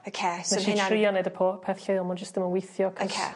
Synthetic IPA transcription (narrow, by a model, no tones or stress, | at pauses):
okʰesnɛʃiriːɔnɛdəpʰoːpʰɛθɬeːlˠmɔnd͡ʒəsd̥əmənwɪjθjɔkʰkʰḛ